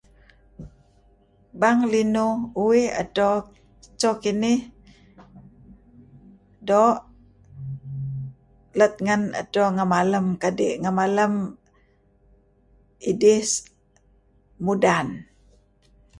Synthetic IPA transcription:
baŋlinuuwiha̰t̪o | t͡ʃokinɪh | doʔ | lət̪̚ŋəna̰toŋamaləmkadiʔŋamaləm | idis | mudan

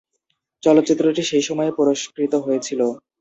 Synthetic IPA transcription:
t͡ɕɔlot̪ːt͡ɕit̪ːɾoʈiʃejʃɔmɔepɔɾoʃkɾit̪oɦojet͡ɕʰilo

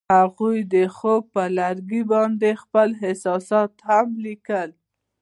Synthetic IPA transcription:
haɣujd̪əxob̚pəlaɾɡibɑnd̪expəlɦɪsɑsɑt̪hamlikəl

